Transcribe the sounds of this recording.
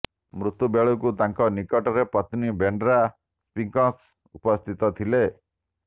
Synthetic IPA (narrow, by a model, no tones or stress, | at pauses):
mɾut̪ubeɭukut̪aŋkɔnikɔʈɔɾepɔt̪nibeɳɖɾa | spiŋkɔ̃s | upɔst̪ʰit̪ɔt̪ʰile